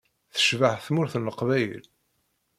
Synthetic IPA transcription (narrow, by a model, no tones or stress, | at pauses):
θə̥ʃvəʕθmʊɾθnəqvæjəl